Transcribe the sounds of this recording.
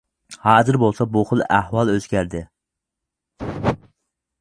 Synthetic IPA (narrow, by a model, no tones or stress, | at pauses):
hɑːzɨɾbolˠsɑbuχəlˠæhwɑlˠøz̥ɡʲæɾd̪ɪ